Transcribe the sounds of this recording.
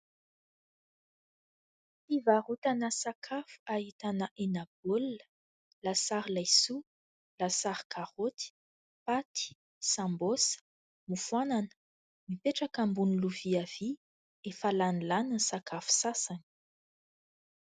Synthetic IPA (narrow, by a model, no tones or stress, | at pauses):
ivarut̪anəsakʰafu̥ahit̪anəʔenab̥olə̥ | lasaɾilajsu | lasaɾi̥kʰaʁot̪i̥ | pat̪i̥ | sãmbosə̥ | mufuananə̥ | mipeʈ͡ʂakambuniluviav̥i | efalanilanənsakʰafu̥sasani̥